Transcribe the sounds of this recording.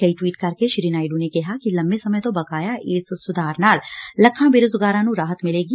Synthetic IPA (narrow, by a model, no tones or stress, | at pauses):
kɐiʈwiːʈkɐɾkeʃɾiːnaːɪɖunekɐɦakilɐ̃mbesɐməjt̪obɐkaːjaʔeːssʊd̪ʱaːɾnaːllɐkʰːãbeːɾosʊɡaːɾãnũɾaːɦət̪mɪleːɡi